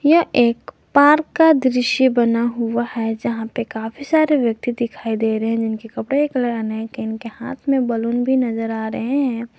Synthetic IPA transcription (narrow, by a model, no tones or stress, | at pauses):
jɐʔeːk | paːɾkːad̪ɾɪʃibɐnaɦʊahɛd͡ʒɐɦãpekaːfʰisaːɾeʋjɐk̚t̪id̪ɪkʰaːid̪eːɾəɦɛ̃d͡ʒɪnkikɐpɽeekələɾənãkiɪnkeha̰ːt̪ʰmẽbɐlʊnbʱinɐzəɾaːɾɐɦeɦɛ̃ː